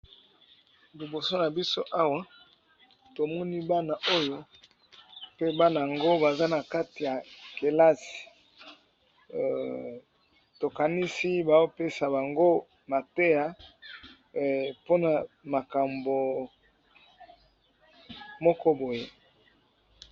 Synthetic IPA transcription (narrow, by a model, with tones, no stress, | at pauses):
li˨bo˨so˦na˨bi˦so˦ʔa˦wa˦ | to˨mɔ˦ni˦ba˦na˨ʔo˦jo˦ | pe˦ba˦na˨a˨ŋɡo˦ba˨za˦na˨ka˦ti˨ja˨ke˨la˦si̥˨ | to˨ka˨ni˦si˦ba˨o˦pe˦sa˨ba˨ŋɡo˦ | ma˨te˦ja˦ | po˦na˨ma˨ka˨mbo˨ | mɔ˦kɔ˦bo˨je˦